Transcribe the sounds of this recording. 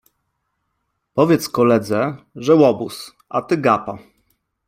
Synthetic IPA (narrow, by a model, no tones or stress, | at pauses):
pɔvʲjɛt̪skɔlɛd̪zɛʐɛwɔbus | a̰t̪ɘɡapa